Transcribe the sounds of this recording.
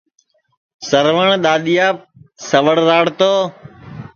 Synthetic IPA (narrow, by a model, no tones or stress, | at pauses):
səɾʋəɳ̃ɗ̪aːɗ̪ijaːp̚ | səʋəɽɾaːɽt̪oː